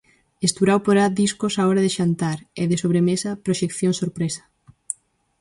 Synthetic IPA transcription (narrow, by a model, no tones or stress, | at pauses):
est̪uɾawpoɾad̪iskosaɔɾɐðeʃant̪aɾeðɪsoβ̞ɾemesɐpɾoʃekθjoŋsoɾpɾesɐ̥